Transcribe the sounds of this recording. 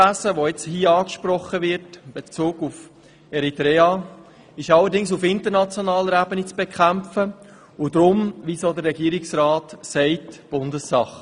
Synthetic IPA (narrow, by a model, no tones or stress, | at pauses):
æsəʋoɛt͡shiːɑːkʃpɾɔχəʋɪɾtb̥et͡suːɡuf | ɛɾitɾɛːɑ | ɪʃɑlːəɾdɪŋsufɪntəɾnɑt͡sjonɑːləɾæbənit͡sb̥ekʰχæmfə | ʊd̪ɾʊmʋisod̪əɾːɛɡiːɾɪksɾaːtsɛɪtb̥ʊndəsːɑχ